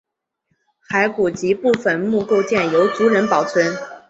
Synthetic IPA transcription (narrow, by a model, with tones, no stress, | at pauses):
xa˧˥ɪku˨˩t͡ɕi˧˥pu˥˩fə˨˩nmu˥˧ko˥˧ʊt͡ɕjɛ˥˩njo˧˥ʊt͡su˧˥ɻə˧˥npɑ˨˩ʊt͡sʰwə˧˥n